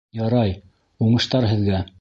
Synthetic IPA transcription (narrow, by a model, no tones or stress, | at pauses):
jɑɾɑj | uɴɤ̆ʃt̪ɑɾɦɘ̆ðɡæ